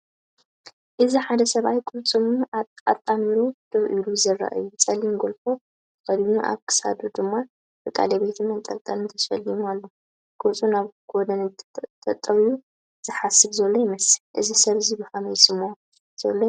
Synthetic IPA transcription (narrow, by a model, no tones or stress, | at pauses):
ʔɨziħad̪ɐsɐβajkʼult͡sʼɨmuaa̰t̪ʼamiɾud̪̥ɐβʔiluzɐrːa̰ʔa̰jut͡sʼɐlimɡolfo̞ | kʰɐd̪muʔa̰βkʰɨ̥sa̰d̪ud̪ɨmːa | bɨkʼa̰lɐbet̪ʰɨmɐnt̪ʼɐ̰lt̪ʼɐlɨnt̪ʰɐfɐ̰lijualːo | kʼut͡sʼunaβɡod̪ɐnt̪ʼʰɐt̪ʼːɐβiju | z̥ɨħasɨβzɐlːo̞jɪmɐsɨ̥lʔɨzisɐβzibɨhamɐjsɨmo | z̥ɐlːo